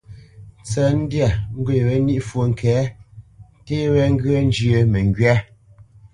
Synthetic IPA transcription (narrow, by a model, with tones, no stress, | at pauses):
t͡sɛ˨n̩˦dja˦˨ŋ̩˦ɡwe˨wɛ˦ni˦ʔfwo˨ŋ̩˨kʰɛː˨˦ | te˦wɛ˦ŋ̩˦ɡə˦n˦d͡ʒjə˦˨mɛ˨ŋ˨ɡɥɛ˦